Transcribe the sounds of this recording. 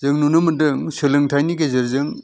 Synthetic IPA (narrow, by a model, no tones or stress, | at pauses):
zɯŋnunɯmɯndɯŋsɯlɯŋtʰajniɡezeɾzɯŋ